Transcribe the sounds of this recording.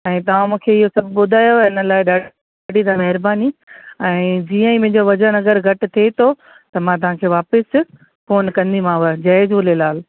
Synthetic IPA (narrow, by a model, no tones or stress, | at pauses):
ɛ̃ːt̪ɐʋ̤ãmũːkʰeɪɦosɐbʱɓʊd̪ʱaːjoɪnə̆laːɪɗaː | aːɖʱid̪ãːmɐɦɪɾbaːniɛ̃ːd͡ʑiːə̃ĩmẽɦɪ̃ɲd͡ʑoʋɐd͡ʑənɐɡəɾɡʱɐʈt̪ʰet̪ʰo | t̪ɐmãt̪̬ɐʋ̤ãkʰeːʋaːpɪs | foːnkɐ̃nd̪imãːʊəd͡ʑaːɪzʊlelaːl